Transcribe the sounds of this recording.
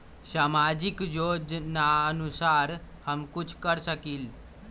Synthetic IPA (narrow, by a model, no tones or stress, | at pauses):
samad͡ʑikjod͡ʒnaənusaɾhəmkut͡ʃʰkəɾsəkiːl